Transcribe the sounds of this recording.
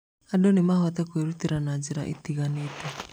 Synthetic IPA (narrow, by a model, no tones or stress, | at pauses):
adɔnimaɦɔt̪ɛkweɾut̪iɾanad͡ʒiɾa̰ʔḭt̪iɣanitɛ